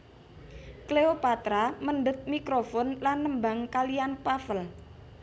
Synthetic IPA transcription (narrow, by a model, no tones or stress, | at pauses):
kleopat̪ɾamənɖət̪̚mikɾofɔnlanːəmbaŋkalijanpafəl